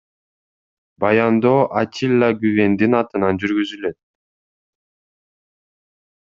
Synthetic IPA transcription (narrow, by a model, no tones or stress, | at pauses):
bɑjɑnd̪oʔat͡ʃʰilʲˠːaɡyβe̞nd̪inɑt̪ɯnɑnd͡ʒyɾɡyzylø̞t̪̚